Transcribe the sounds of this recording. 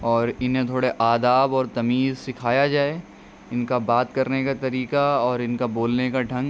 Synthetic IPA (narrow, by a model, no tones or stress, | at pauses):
ɔːɾɪnɦẽt̪ʰoːɽeʔaːd̪aːbɔːɾt̪ɐmiːzsɪkʰaːjad͡ʒaːe | ɪnkabaːt̪kɐɾnekat̪ɐɾiːkaɔːɾɪnkaboːlnekaɖʱɐ̃ŋɡ